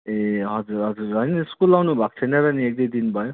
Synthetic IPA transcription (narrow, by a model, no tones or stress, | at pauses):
eɦʌd͡zuɾɦʌd͡zuɾʌnieskulːawnubʱak̚t͡sʰʌjnʌɾʌniekd̪ejd̪inbʱʌjo